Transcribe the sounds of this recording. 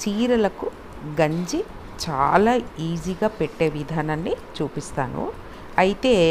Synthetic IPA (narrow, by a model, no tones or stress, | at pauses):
t͡ʃiːɾɐlɐku | ɡɐɲd͡ʒi | t͡ʃa̰ːlaːiːziɡaːpeʈːe̞ːʋid̪ʱaːnaːnːit͡ʃuːpist̪aːnṵ | ɐjit̪e̞ː